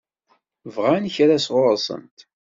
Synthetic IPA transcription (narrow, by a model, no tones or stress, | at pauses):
vʁançɾasʁʊɾˤsˤə̰nt̪